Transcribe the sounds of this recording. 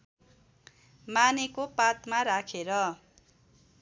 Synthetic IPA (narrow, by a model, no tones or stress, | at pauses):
manekopat̪maɾakʰeɾʌ